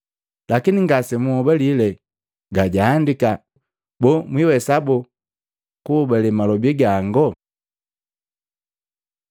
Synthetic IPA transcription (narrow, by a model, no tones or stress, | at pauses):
lakiniŋɡasɛmuɔbɛlilɛ | ɡaɟaːndika | bɔmwiwɛsabɔ | kuːbɛlɛmalɔbiɡaŋɡɔ